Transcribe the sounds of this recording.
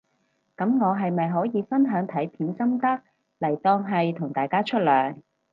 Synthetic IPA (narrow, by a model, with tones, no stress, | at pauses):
kɐ˨˥mŋɔː˨˧ɦɐ˨jmɐ˨jɦɔː˨˥jiː˨˧fɐ˥nɦœː˨˥ŋt̪ʰɐ˨˥jpʰiː˨˥nsɐ˥mt̪ɐ˥k̚ | lɐ˨˩jt̪ɔː˧ŋɦɐ˨jt̪ʰʊ˨˩ŋt̪aː˨jkaː˥t͡ʃʰɵ˥t̚lœː˨˩ŋ